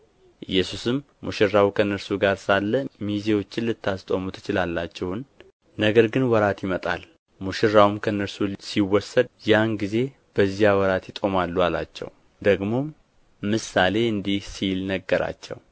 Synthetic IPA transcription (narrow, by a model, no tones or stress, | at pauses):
ʔɨjːɛsusɨmːuʃɪrːawkʰənːəɾsuɡaɾsalːəmizewo̞t͡ʃːɪnlɨt̪ʰːast̪ʼo̞mut̪ʰɨ̥t͡ʃɪlalːat͡ʃːɛhn | nəɡəɾɡɨnwɔɾat̪jɪmət̪ʼa̰l | muʃɪrːawumkʰəɨnːəɾsusiwːɔsːəd̪̚janɡize̞ | b̥əzijawɔɾat̪jɪt̪ʼo̞malːujala̰t͡ʃːɛ̰w | d̪əɡmo̞ | mɨsale̞ɨnd̪ihsilnəɡːəɾa̰t͡ʃːɛ̰w